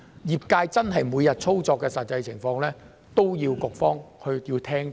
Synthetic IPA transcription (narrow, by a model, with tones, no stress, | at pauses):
jiː˨p̚kaː˧jt͡sɐ˥nɦɐ˨jmuː˨˧jɐ˨t̚t͡sʰo˥wt͡sɔː˧kːɛː˧sɐ˨˩t̚t͡sɐ˧jt͡sʰɪ˨˩ŋfɔː˧ŋlɛː˥ | t̪o˥wjiː˧wkʊ˨k̚fɔː˥ŋhɵ˧ɥjiː˧t̪ʰɛː˥ŋ